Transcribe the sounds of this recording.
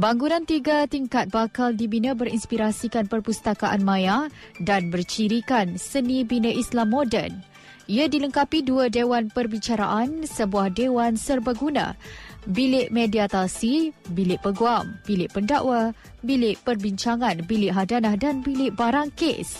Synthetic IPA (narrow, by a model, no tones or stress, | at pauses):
baŋɡunãnt̪iɡat̪iŋkat̪̚bakaldibinə̃bəɾinspiɾasikanpərpust̪akaʔanmãjadanbərt͡ʃiɾikansənibinəʔislamːɔdɛ̰n | iadiləŋkapiduədewanpərbit͡ʃaɾa̰ʔansəbuahdewansərbəɡunã̰bilɪʔmediat̪asibilɪʔpəɡuambilɪʔpəndaʔwa | bilɪʔpərbiɲt͡ʃaŋãnbilɪʔɦadanahdanbilɪʔbaɾaŋkḛs